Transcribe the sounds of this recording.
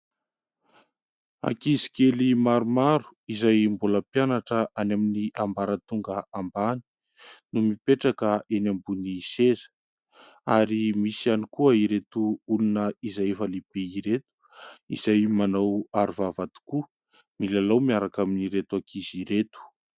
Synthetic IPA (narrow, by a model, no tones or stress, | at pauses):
a̰kizi̥kelimaɾumaɾu̥izajmbuləpjanaʈ͡ʂəʔanaminiʔambaɾət̪uŋɡəambani̥ | numipeʈ͡ʂakəʔenambunisezə̥ | aɾimisianikuəiɾet̪uulunəizajfalibeiɾet̪u̥ | ḭzajmanawaɾuvavat̪u̥ku | milalawmiaɾakaminiɾet̪uakʰiziɾet̪u̥